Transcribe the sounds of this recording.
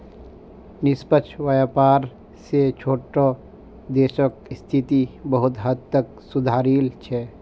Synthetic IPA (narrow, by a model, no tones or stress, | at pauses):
nɪspət͡ʃʰwəjaːpaːɾ | set͡ʃʰoːʈo | d̪eːʃəkst̪ʰit̪ibəɦʊt̪ɦəd̪̚t̪ək | sʊd̪ʱaːɾiːlt͡ʃʰɛː